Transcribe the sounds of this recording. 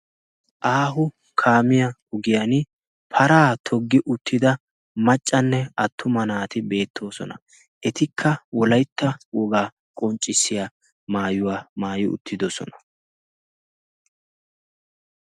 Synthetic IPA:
ʔaːɦʊ | kʰaːmɪjɐʊɡɪjɐn | pʰɐɾaːt̪ʰɔɡːɪʔʊt̪ʰːɪd̪ɐ | mɐt͡ʃʼːɐnːɛɐt̪ʰːʊmɐnaːt̪ɪbe̞ːt̪ʰːo̞ːsɔ̰nɐ̰ | ʔɛt̪ɪkʰːɐwɔlɐjt̪ːɐwɔɡaː | kʼɔnt͡ʃʼːɪsːɪja | maːjʊwaːmaːjɪʊ̰t̪ʰːɪd̪ɔsɔ̰nɐ̥

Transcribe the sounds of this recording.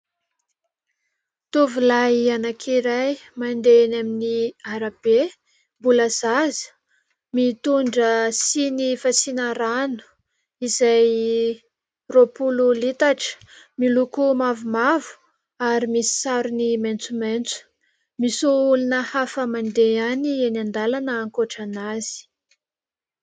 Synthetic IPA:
t̪uvulajanakʰiɾajmand̪enaminiaɾab̥e | mbuləzazə̥ | mit̪uɳɖ͡ʐəsinifasinaɾanu̥ | izaj | ropululit̪aʈ͡ʂə̥ | milukumavumavu̥ | aɾimisi̥saɾuniment͡sument͡su̥ | misuulunəhafəmand̪eanienand̪alanəːŋkoʈ͡ʂanaz̥i̥

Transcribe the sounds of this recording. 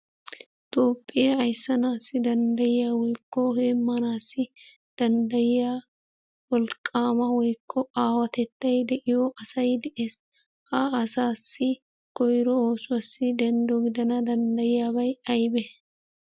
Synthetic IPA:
t̪ʼo̞ːpʼːɪjɐːjsːɐnaːsːɪd̪ɐnd̪ɐjɪjaːwɔjkːɔheːmːɐnaːsːɪ | d̪̥ɐnd̪ɐjɪjaː | wɔlkʼːaːmɐwɔjkʰːɔaːwɐt̪ɛt̪ːɐjd̪ɛʔɪjɔʔɐsɐjd̪ɛʔeːs | ɐːsaːsːɪ | kɔjɾɔoːsʊwɐsːɪd̪ɛnd̪ɔɡɪd̪ɐnɐd̪ɐnd̪ɐjɪjaːbɐjɐjbɛ

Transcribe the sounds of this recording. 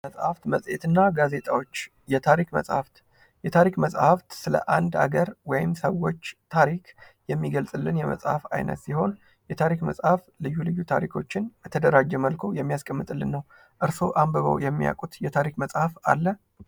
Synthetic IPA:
əsʼhaft̪məsʼjet̪ɨnːaɡaze̞t̪ʰʼa̰wo̞t͡ʃː | jɛt̪ʰaɾikmə̰sʼhaft̪ | jɛt̪ʰaɾikməsʼhaft̪sɨlə̰ʔand̪a̰ɡəɾwɔjɪmsəwːo̞t͡ʃːt̪ʰaɾikʰjɛmːiɡəlsʼɨlːɨnjɛmə̰sʼhafa̰jnə̰t̪siho̞n | jɛt̪ʰaɾikməsʼhaflɨjːulɨjːut̪ʰa̰ɾikʰo̞t͡ʃːɪnjɛt̪ʰəd̪əɾad͡ʒːɛməlkʰujɛmːijaskʼəmːɨt̪ʼɨlːɨnːəw | ʔɨɾso̞ʔambəβə̰wjɛmːija̰kʼut̪jɛt̪ʰaɾikməsʼhafa̰lːə

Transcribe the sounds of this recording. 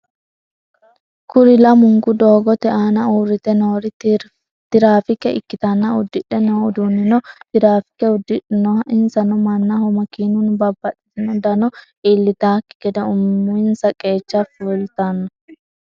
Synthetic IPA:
kʊɾɪlɐmʊŋɡʊd̪oːɡɔt̪ɛaːnɐuːɾːɪt̪ɛnoːɾɪ | t̪ɪɾaːfɪkːɛɪ̰kːɪt̪ɐnːɐʊd̪ːɪᶑɛnod̪unːɪnɔt̪ɪɾaːfɪ̥kːɛʊd̪ːɪᶑɪnɔɪnsɐnɔmɐnːɐhɔmɐkiːnʊnbɐbːɐᶑʼɛt̪ɪnɔd̪ɐnɔʔɪlːɪt̪aːkːɪ̥ɡ̥ɛd̪ɐʊmːʊɪnsɐkʼe̞ːt͡ʃːafuːlt̪ɐnːɔ

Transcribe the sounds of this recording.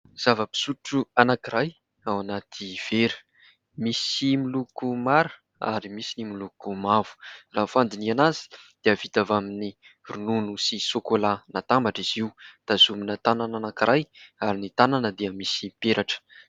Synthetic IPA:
z̥avəpi̥suʈ͡ʂuanakiɾaj | awanat̪ʰiv̥eɾə̥ | misimilukumaɾə | a̰ɾimisinimilukumav̥u̥raːfand̪inianazi̥d̪̥eəv̥it̪avamini | rununusisokolanat̪ambaʈ͡ʂiziwd̪̥azuminət̪anananakiɾajaɾinit̪ananəd̪eəmisipeɾʔaʈ͡ʂə̥

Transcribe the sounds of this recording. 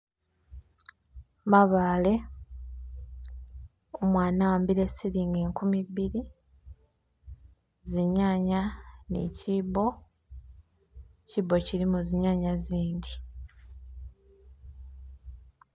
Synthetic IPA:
maβaːle̞ | omwaːnawaːmbiɾe̞siɾiːŋɡeːŋkumiβiɾi | ziɲaːɲanḭcibo̞ | cibo̞ciɾimuziɲaːɲaziːɲdi

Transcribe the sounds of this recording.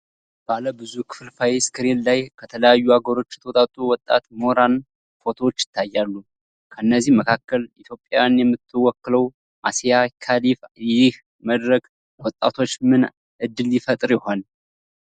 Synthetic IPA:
b̥aləbɨzukʰɨ̥flfajeskɨɾellajkʰət̪ʰələjajːuaɡəɾo̞t͡ʃːɛ̥t̪ʰəot̪ʼat̪ʼuwɔt̪ʼːa̰t̪moɾan | fo̞t̪ʰo̞wot͡ʃːjɪ̥t̪ʰːajːalːu | kʰəɨnːəzːihməkʰakːəlit̪ʰjo̞pʼːjajanjɛmːɨt̪ʰːɨwːɔkːɨləw | ʔasijakʰalifjɪh | məd̪ɾəɡ | wɔt̪ʼːa̰t̪ʰo̞t͡ʃːmɨn | ʔɨd̪ːɨljɪfət̪ʼɾjɪho̞n

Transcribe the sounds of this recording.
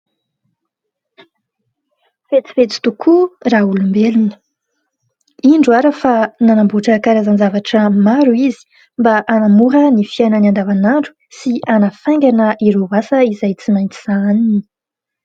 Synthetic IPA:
fet͡si̥fet͡si̥t̪ukʰuraulumbelunə̥ | iɳɖ͡ʐuaɾəfananambuʈ͡ʂəkaɾazanzavaʈ͡ʂəmaɾuizi̥ | mbaʔanamuɦənifianəniand̪avanaɳɖ͡ʐu̥ | sianəfaj̃ŋɡʲanəʔiɾovasəizajt͡simajnt͡s̪iz̥aanini̥

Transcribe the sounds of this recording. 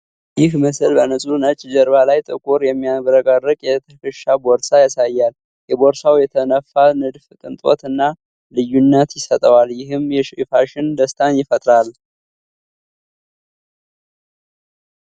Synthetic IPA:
jɪhməsɨlbənəsʼunət͡ʃʼd͡ʒəɾbalajt̪ʼɨkʼuɾjɛmːijaβɾəɡʼarːɨkʼjɛt̪ʰəkɨʃːaboɾsajasajːal | jɛboɾsawjɛt̪ʰənəfːanɨd̪fɨt̪ʼɨnt̪ʼo̰t̪ɨnːa | lɨjːunːət̪jɪsət̪ʼəwaljɪɦɨmjɛʃifaʃɪnd̪əst̪ʰanjɪfət̪ʼɾal

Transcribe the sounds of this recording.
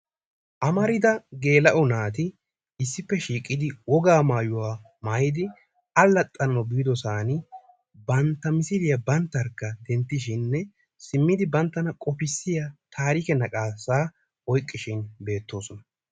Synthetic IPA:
ʔɐmɐɾɪd̪ɐɡe̞ːlɐʔɔnaːt̪̬ɪ | ɪsːɪpːɛʃiːkʼːɪd̪ɪwɔɡaːmaːjʊwaː | maːjɪd̪ɪ | ɐlːɐt̪ʼːɐnɐɔbiːd̪ɔsaːnɪ | bɐnt̪ːɐmɪsɪlɪjɐbɐnt̪ːɐɾkːɐd̪ɛnt̪ːɪʃ̬ɪnːɛ | sɪmːɪd̪ɪbɐnt̪ːɐnɐkʼɔpɪsːɪjɐt̪ʰaːɾiːkɛnɐkʼaːsaː | ɔjkʼːɪʃɪnbe̞ːt̪ːo̞ːsɔnɐ

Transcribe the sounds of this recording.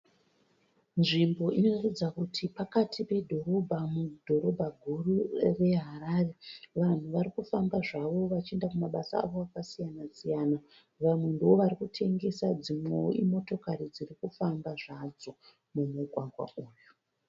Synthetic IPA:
nʐimbo̞ʔino̞ratid͡zakutʰipakatʰipe̞dʱo̞ɾo̞bʱamudʱo̞ɾo̞bʱaɡʱurure̞ɦaɾare̞ʋan̤uʋaɾikufambaʐaʋo̞ʋat͡ʃiendakumaɓasa̰ːʋo̞akasijanasijana | ʋamwendoʋarikutʰe̞ŋɡe̞sad͡zimweo̰ʔimo̞to̞karid͡zirikufambaʐad͡zo̞ | mumuɡʱwaɡʱwa̰ʔuːju

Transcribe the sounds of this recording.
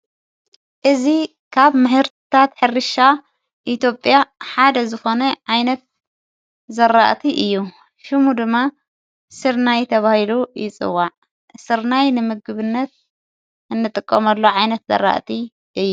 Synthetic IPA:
ʔɨzi | kʰaβmɨhɨɾt̪ʰt̪ʰat̪ħɨrɨʃa | ʔit̪ʰjo̞pʼjaħad̪ɐzɨxo̞nɐʕajnɐt̪̚ | zɐɾa̰ʔt̪ʰiʔɨjːu | ʃɨmud̪ɨmːa | sɨɾnajt̪ʰɐβahilujɪt͡sʼɨ̰wːaʕ | sɨɾnajnɨmɨɡɨβɨnːɐt̪̚ | ʔɨnːɨt̪ʼɨkʼːɐmɐlːoʕajnɐt̪zɐ̰ɾa̰ʔt̪ʰi | ʔɨjːu

